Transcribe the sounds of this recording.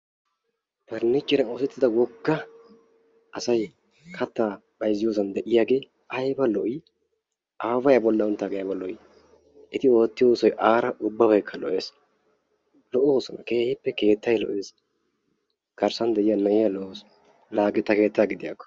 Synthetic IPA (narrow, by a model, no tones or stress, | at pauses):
bɐɾnːɪt͡ʃʼːɪnɐoːsɛt̪ːɪd̪ɐwɔɡːɐ | sɐj | kʰɐt̪ːaː | b̥ɐjzɪjoːs̬ɐnd̪ɛʔɪjaːɡe̞ː | ʔɐjbɐlɔʔɪ | ʔaːbɐjɐbɔlːɐʊnt̪ːaːɡɛjabɐlɔʔɪ | ʔɪt̪ɪo̞ːt̪ːɪjo̞ːsɔjʔaːɾɐʔʊbːɐβɐjkʰːɐlɔʔe̞ːs | lɔʔo̞ːsɔnɐ̰kehɪpːɛke̞ːt̪ːɐjlɔ̰ʔe̞ːs | ɡ̥ɐɾsɐnd̪ɛʔɪjɐnɐjɪjalɔʔoːs | laːɡɛt̪ːɐke̞ːt̪ːaːɡɪd̪ɪjakːɔ̥